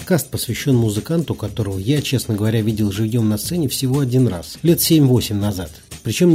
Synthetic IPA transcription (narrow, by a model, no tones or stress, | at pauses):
kast̪̚pəsvʲɪɕːo̞nmʊzɨkant̪ʊkɐt̪o̞ɾəvəjat͡ɕe̞snəɡəvɐɾʲavʲidʲɪlˠʐɨvjo̞mnɐst̪sɛnʲɪfsʲɪvo̞ɐdʲinra̰slʲe̞t̪sʲemʲvo̞sʲɪmʲnɐzat̪pɾʲɪt͡ɕo̞m